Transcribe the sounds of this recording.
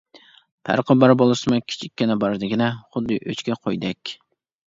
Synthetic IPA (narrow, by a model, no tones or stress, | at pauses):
pʰæ̰ɾqʰəbɑɾbolˠɨsɨmʊkʲʰi̥t͡ʃʰikʲːinɛbɑɾd̪ɪɡʲinɛχʊd̪ːɨʔøt͡ʃkʲɛqʰojd̪ɛkʲ